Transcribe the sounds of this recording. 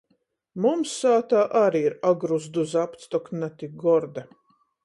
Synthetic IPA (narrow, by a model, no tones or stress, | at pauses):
mumsːaːt̪aːʔaɾiiɾaɡɾuzd̪uzapt̪st̪ɔknat̪iɡɔɾd̪a